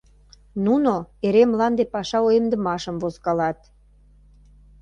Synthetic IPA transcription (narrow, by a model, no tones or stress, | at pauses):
nunoeɾemlɑnd̪epɑʃɑojemd̪əmɑʃəmvozkɑlɑt̪